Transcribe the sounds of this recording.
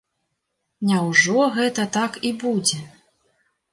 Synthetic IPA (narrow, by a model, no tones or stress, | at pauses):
nʲɛwʐɔɣɛt̪ɐt̪akibud͡zʲɛ